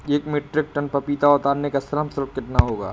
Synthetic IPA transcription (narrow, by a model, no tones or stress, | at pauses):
eːkmeːʈɾɪk̚ʈɐnpɐpiːt̪aʊt̪aːɾnekasɐɾəmsɐɾk̚kɪt̪naɦoːɡa̰ː